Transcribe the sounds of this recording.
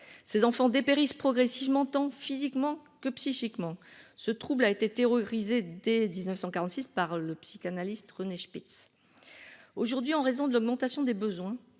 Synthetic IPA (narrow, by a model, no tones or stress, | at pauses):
sezɑ̃fɑ̃d̪epeʁispχɔɡʁɛsivmɑ̃t̪ɑ̃fizikmɑ̃kəpsiʃikmɑ̃sət̪χublaet̪et̪eʁɔʁized̪ed̪iznəfsɑ̃kaʁɑ̃t̪sispaʁləpsi̥kanalist̪ʁəneʃmit̪s | oʒuʁd̪ɥiɑ̃ʁezɔ̃d̪əlɔɡmɑ̃t̪asjɔ̃d̪ebəzwɛ̃